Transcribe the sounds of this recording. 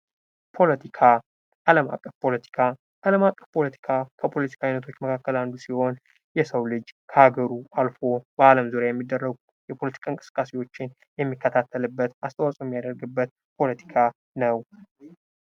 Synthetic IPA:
pʰo̞lət̪ʰikʰa | ʔaləma̰kʼːəfpʰo̞lət̪ʰi̥kʰa | ʔaləmakʼːəfpʰo̞lət̪ʰi̥kʰakʰəpʰo̞lət̪ʰi̥kʰanət̪ʰo̞t͡ʃːməkʰakːəland̪usiho̞n | jɛsəwlɨd͡ʒkʰəhaɡəɾuʔalfo̞bəaləmzuɾjajɛmːid̪ːərːəɡu | jɛpʰo̞lət̪ʰi̥kʰaɨŋkʼɨsɨ̥kʼːasiwo̞t͡ʃːɪn | jɛmːikːət̪ʰat̪ʰːəlɨbːət̪ast̪ʰʼəwasʼojɛmːijad̪əɾɡɨbːət̪̚ | pʰo̞lət̪ʰi̥kʰa | nəw

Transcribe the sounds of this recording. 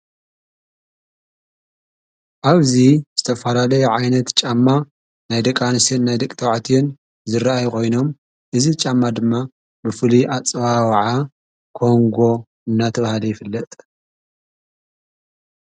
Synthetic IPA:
ʔaβziz̥ɨt̪ʰɐfɐlalɐjʕajnɐt̪t͡ʃʼamːa | najd̪ɐkʼanɨsinnajd̪ɐkʼt̪ʰɐwaʕt̪ʰijɛn | zɨraajkʰo̞jno̞m | ʔɨzit͡ʃʼamːad̪ɨmːa | bɨfɨliat͡sʼɨβawaʕa | kʰo̞ŋɡo̞ | ɨnːat̪ʰɐβahalɐjɪfɨlːɐt̪ʼ

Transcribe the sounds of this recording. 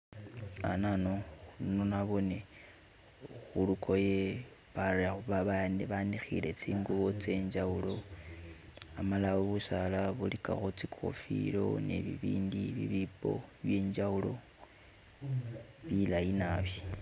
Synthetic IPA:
a̰nanoulnonaβo̞ne | xulukʰo̞je | βaɾauβaβaaneβanixile̞t͡siːŋɡuβo̞t͡se̞ɲd͡ʒaulo̞ | amalaoβusalaβulika̰xot͡sikʰo̰fḭɾo̞̰nḛβiβiːndiβḭβipo̞̰βjeːɲd͡ʒaulo̞ | βilajinaβji

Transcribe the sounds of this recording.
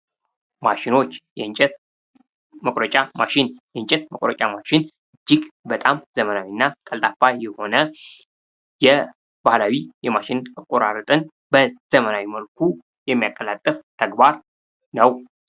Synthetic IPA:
maʃɪno̞t͡ʃːjɛɨɲt͡ʃʼɛt̪ | məkʼɾət͡ʃʼama̰ʃɪnjɛɨnt͡ʃʼɛt̪məkʼɾət͡ʃʼamaʃɪnʔɨd͡ʒːɪɡbət̪ʼamz̥əmənawinːakʼəlt̪ʼafajɛho̞nə | jɛ | b̥ahlawijɛmaʃɪnakʼːoɾa̰ɾɨt̪ʼɨn | bəz̥əmənawiməlkʰu | jɛmːijakʼːəlat̪ʼːəft̪ʰəɡbaɾ | nəw

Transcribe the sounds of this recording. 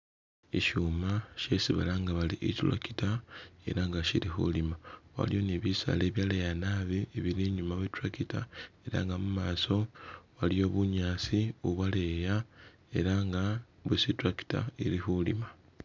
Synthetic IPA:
iʃuːmaʃe̞siβa̰laŋɡaβaliʔecila̰ki̥tae̞̰ɾaŋɡaʃiɾixṵlimawa̰lijo̞neβisa̰le̞ːβjalejanaβieβiɾiɲumaβutɾakitae̞ɾa̰ŋɡamumaːso̞walijo̞ːβuɲaːsiuβwaleːja | e̞ɾaŋɡa | βusitɾaki̥ta̰iɾixulima

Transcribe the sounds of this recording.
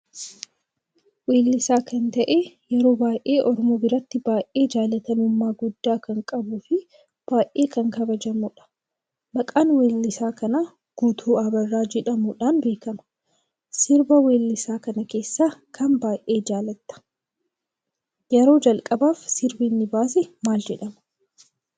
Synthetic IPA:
we̞ːlːɪsaːkɐnt̪ɐʔejɛɾo̞ːbaːjʔe̞ːʔɔɾmoːbɪɾɐt̪ːɪbaːʔe̞ːd͡ʒaːlɐt̪ɐnʊmːaːɡʊd̪ːaːkɐŋkʼɐbuːfɪ | b̥aːjʔe̞ːkɐŋkɐbɐd͡ʒɐmuːᶑɐ̥ | mɐkʼaːnweːlːɪsaːkɐna | ɡ̥uːt̪ʰuːɐbɐrːaːd͡ʒɛᶑɐmuᶑaːnbe̞ːkɐmɐ̥ | sɪɾbɐwe̞ːlːɪsaːkɐnɐke̞ːsːaːkʰɐnbaːjʔe̞ːd͡ʒaːlɐt̪ːɐ̥ | jɛɾo̞ːd͡ʒɐlkʼɐbaːfsɪɾbinːɪbaːsɛmaːld͡ʒɛᶑɐmɐ̥

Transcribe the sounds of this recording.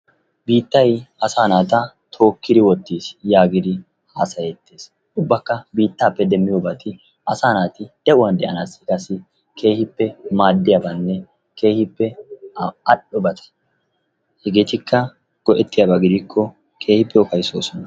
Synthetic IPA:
biːt̪ːɐjɐsaːnaːt̪ɐ | t̪ʰo̞ːkːɪd̪ɪwɔt̪ːiːsjaːɡɪd̪ɪ | haːsɐjɛt̪ːeːs | ʔʊbːɐkːɐbiːt̪ːaːpːɛd̪ɛmːɪjoːbɐt̪ɪ | ʔɐsaːnaːt̪ɪd̪̥ɛʔʊwɐnd̪ɛʔɐnaːsɪ̥kɐsːɪ | ke̞ːhɪpːɛmaːd̪ːɪjabɐnːɛ | ke̞ːhɪpːɛ | ɐɗɔbɐt̪ʰɐ̥ | hɛɡeːt̪ɪkːɐ | ɡ̥ɔʔɛt̪ːɪjɐbaɡɪd̪ɪkʰːɔ | kʰe̞ːhɪpːɛɔkɐjsoːsɔnɐ

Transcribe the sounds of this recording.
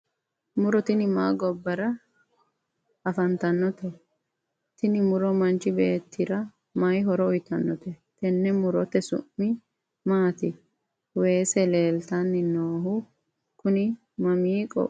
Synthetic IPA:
mʊɾɔt̪ɪnɪmaːɡɔbːɐɾɐ | ɐfɐnt̪ɐnːɔt̪ɛ | t̪ɪnɪmʊɾɔmɐnt͡ʃɪbeːt̪ːɪɾɐ | majɦɔɾɔʊjt̪ɐnːɔt̪ɛt̪ɛnːɛmʊɾɔt̪ːɛsʊ̰ʔːɪ | maːt̪ɪ | we̞ːsɛle̞ːlt̪ɐnːɪnoːɦʊ | kʊnɪ | mɐmiːkʼɔ̰ʔ

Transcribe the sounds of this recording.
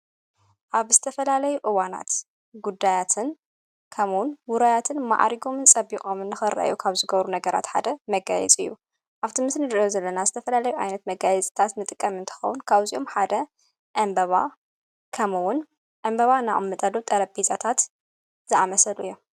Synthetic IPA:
ʔaβz̥ɨt̪ʰɐfɐlalɐjuʔɨwana̰t̪ | ɡud̪ːajat̪ʰɨn | kʰɐmwʊnwʊɾajat̪ʰɨnma̰ʕa̰ɾiɡo̞mɨnt͡sʼɐbiχʼomɨnːɨxɨɾɐ̰ʔjukʰaβzɨɡɐβɾunɐɡɐɾa̰t̪ħa̰d̪ɐmɐɡa̰jɛ̰t͡sʼɨ̰jːṵ | ʔaβt̪ʰimɨsnɨd̪jozɐlːɐnazɨt̪ʰɐfɐlalɐjuʔa̰jnɐt̪mɐɡajɛt͡sʼt̪ʰat̪nɨt̪ʼɨkʼːɐmɨnt̪ʰɨ̥xɐ̰wʊnkʰaβziʔo̞mħad̪ɐ | ʔɐmbɐβa | kʰɐmwʊn | ʔɐmbɐβana̰ʔmːɨt̪ʼɐlot̪ʼɐɾɐbizʼat̪ʰat̪ | z̥ɨʔamɐsɐlujːom

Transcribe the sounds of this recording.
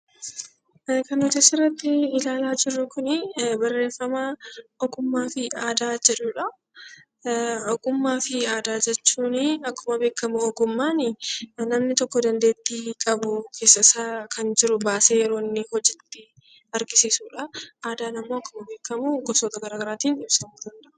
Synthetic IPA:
kɐnhɔd͡ʒɐsɪrːɐt̪ːɪːlaːlaːd͡ʒɪrːʊkʊnɪbɐrːe̞ːfːɐmaɔɡʊmːaːfɪaːd̪aːd͡ʒɛᶑʊᶑɐ | ɔɡʼʊmːaːfɪaːd̪aːd͡ʒɛt͡ʃːuːnɪɐkːʊmɐbe̞ːkːɐmuɔɡʊmːaːnɪnɐmnɪt̪ɔkːɔd̪ɐnd̪e̞ːt̪ːiːkʼɐbʊkʰe̞ːsːɐsaːkʰɐnd͡ʒɪɾʊbaːse̞ːjɛɾo̞ːnːɪhɔd͡ʒɪt̪ːɪ | ɐɾɡɪsiːsuːᶑɐʔaːd̪aːnɐmːoːɐkːʊmɐbe̞ːkːɐmuːɡɔsoːt̪ɐɡɐɾaːɡɐɾaːt̪iːnɪbsɐmuːd̪ɐnd̪ɐʔʊ̥

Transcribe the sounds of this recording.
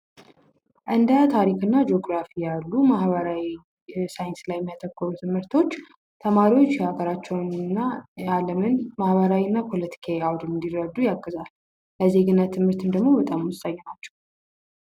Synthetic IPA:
ʔɨnd̪ət̪ʰaɾikɨnːad͡ʒo̞ɡɾafijalːumahβəɾawi | sajɪnslajɛmːjat̪ʰəkːɔɾut̪ʰɨmhɨɾt̪ʰo̞t͡ʃː | t̪ʰəmaɾiwo̞t͡ʃːaɡəɾat͡ʃːɛwnnːaaləmɨnmahbəɾawinːapʰo̞lət̪ʰi̥kʰaawd̪ɨmnd̪irɾəd̪ːujaɡːəzal | ləze̞ɡɨnːat̪ʰɨmhɨɾt̪ʰɨmd̪əɡmo̞bət̪ʼamɨst̪ʼajːɛnat͡ʃːɛ̥w

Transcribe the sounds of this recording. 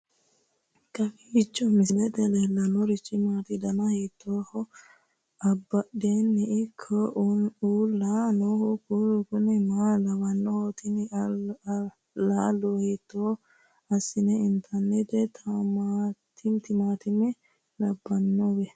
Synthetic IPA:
kɐfɪɪt͡ʃʼːɔmɪslɛt̪ɛlelːɐnɔɾɪt͡ʃʼːɪmaːt̪ɪd̪ɐnɐhit̪ʰːoːhɔ | ɐbːɐɗeːnːɛʔɪkʰːɔʔuːlːanohɔkuɾkʊnɛmaːlɐwɐnːɔhɔt̪ɪn | laːlohiːt̪ːo | ɐsːɪnɛɪnt̪ʰɐnɛt̪ɛt̪ʰɐmaːt̪ʰɪmt̪ɪmaːt̪ɪmɛ | lɐbːɐnːɔwɛ

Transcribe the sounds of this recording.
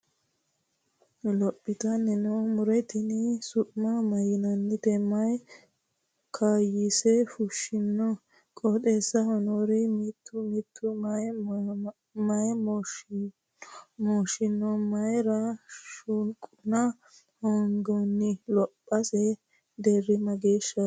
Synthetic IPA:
lɔpʼːɪt̪ɐnːɛnɛmʊɾɛt̪ɪnɪsʊʔmɐmɐjɪnɐnːɪt̪ɛmɐj | kʰaːjisɛfʊʃɪnːɔ | kʼɔt̪ʼeːsɐhɔnɔɾɛmit̪ʰːʊmit̪ʰːʊ | mɐjmɔ | mɔːʃɪnːɔmɐjɾɐʃʊŋkʼʊnɐ | hɔŋɡɔnːɪlɔpʼːɐsɛ | d̪ɛrɪmɐɡeːʃːɐ

